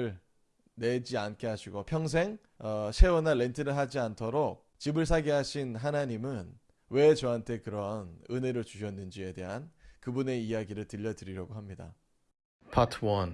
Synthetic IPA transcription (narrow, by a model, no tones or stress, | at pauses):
ɭ | ne̞d͡ʑiank͈ʰe̞ɦaɕʰiɡopʰjʌŋs̬ʰe̞ŋ | ʌɕʰe̞wonale̞ntʰɯɾɯɭɦad͡ʑiantʰoɾok̚t͡ɕibɯɭs̬ʰaɡiɦaɕʰinɦanaɲimɯn | we̞t͡ɕʌɦantʰe̞kɯɾʌnɯne̞ɾɯɭt͡ɕuɕ̬ʰʌnːɯnd͡ʑie̞de̞ɦankɯbune̞ijaɡiɾɯɭtɯʎːʌdɯɾiɾjaɡoɦamɲida̰ | pʰʌtʰwʌn